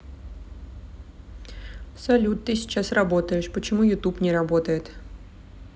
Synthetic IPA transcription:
sɐlʲut̪t̪ːɨsʲɪ̥t͡ɕasrɐbot̪əjɪʂpət͡ɕɪmujʊt̪upnʲɪɾɐbot̪əjɪt̪

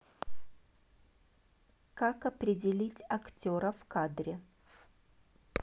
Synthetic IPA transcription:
kakɐpɾʲɪdʲɪlʲitʲɐktʲoɾəfkad̪ɾʲɪ

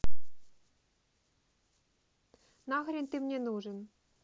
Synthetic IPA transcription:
nɑɣɤ̆ɾʲenʲt̪imnʲenuʐɤ̆n

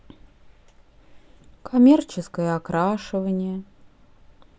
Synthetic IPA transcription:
kʰɐmʲert͡ɕɪskəjəakɾaʂɨvənʲɪjə

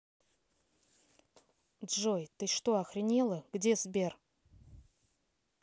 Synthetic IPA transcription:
d̪ʐojt̪ɨʂt̪oɐxrʲɪnʲelˠəɡ̥dʲezbʲer

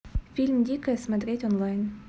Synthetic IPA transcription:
fʲilʲmd̪ʲikəsmɐd̪ɾʲetʲonlˠajn

